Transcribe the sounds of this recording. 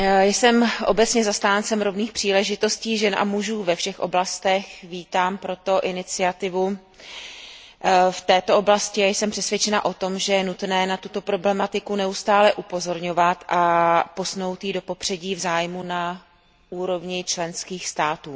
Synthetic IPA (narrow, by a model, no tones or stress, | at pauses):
jsɛmʔo̞̰bɛt͡sɲɛzast̪aːnt͡sɛmɾo̞vniːxpr̥iːlɛʒɪt̪o̞sciːʒɛnʔa̰muʒuːvɛfʃɛxʔo̞blast̪ɛxviːt̪aːmpɾo̞t̪o̞ʔɪnɪt͡sɪat̪ɪvu | ft̪ɛːt̪oʔoblascɪajsɛmpr̝̥ɛsvʲjɛt͡ʃɛnaʔo̞t̪o̞mʒɛjɛnut̪nɛːnat̪ut̪o̞pɾo̞blɛmat̪ɪkunɛust̪aːlɛʔupo̞zo̞ɾɲo̞vat̪ʔapo̞sno̞wt̪jido̞po̞pr̥ɛɟiːvzaːjmuna | uːɾo̞vɲɪt͡ʃlɛnskiːxst̪aːt̪uː